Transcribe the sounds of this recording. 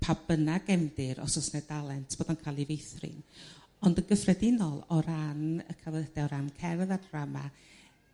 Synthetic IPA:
pʰabənaɡɛmdɪɾɔ̰sɔsnɛdalˠɛntʰb̥oːdɔnkʰajlˠivejθrɨ̰n | ɔndənɡəfrɛdɪnɔlˠɔɾanə̰kʰavəd̥ɛɔɾankʰɛɾðadrama̰

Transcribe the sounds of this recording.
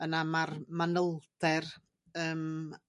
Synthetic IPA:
ənamarmanəlˠd̥ɛr | əːm

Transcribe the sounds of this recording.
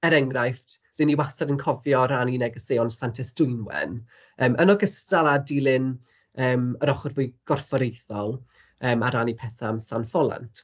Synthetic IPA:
ɛɾɛŋrajft | rɪniwasadənkʰɔvjɔɾaninɛɡəsejɔnsantʰɛsd̥ʊɨnwɛ̰n | əːmʔənɔɡəstalˠadilˠɪn | əːməɾɔχɔrvʊːjɡ̥ɔrfɔɾejθɔlˠ | əːmaɾanipʰɛθamsanfɔlˠa̰ntʰ

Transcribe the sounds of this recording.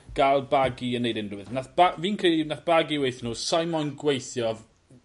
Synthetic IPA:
ɡ̥alˠbaɡiənːejdɪndʊwɨðnaθb̥aviːnkʰrilinaθb̥aɡiwejθnuːsajmɔnɡwejθjɔv

